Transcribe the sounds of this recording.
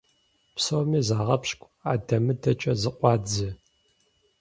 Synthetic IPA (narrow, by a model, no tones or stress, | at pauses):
psɐwmiːzaːʁɐpɕkʷʼaːdɐmɨdɐt͡ʃʼɐzɨqʷʼɑːd͡zɨ